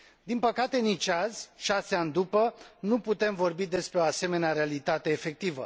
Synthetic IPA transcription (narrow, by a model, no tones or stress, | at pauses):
d̪inpəkat̪e̞nit͡ʃazʲʃaseanʲd̪upənuput̪e̞mvo̞rbid̪e̞spɾe̞o̞ase̞me̞neaɾealit̪at̪e̞ːfe̞k̚t̪ivə̰